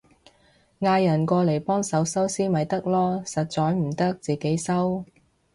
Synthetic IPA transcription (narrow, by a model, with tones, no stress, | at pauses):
ŋaː˧jɐ˨˩nkɔː˧le˨˩jpɔː˥ŋsɐ˨˥wsɐ˥wsiː˥mɐ˨˧jt̪ɐ˥k̚lɔː˥sɐ˨t̚t͡sɔː˨˥jm̩˨˩t̪ɐ˥k̚t͡siː˨ke˨˥jsɐ˥w